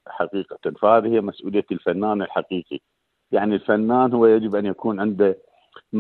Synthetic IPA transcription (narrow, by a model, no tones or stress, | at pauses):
ħaqiːqat̪anfahaːðihɪjːamasʔuːlɪjːalfanːaːnɪlħaqiːqḭ | jaʕnilfanːaːnhʊwːajad͡ʒɪbʔanjakuːnʕɪnd̪a | m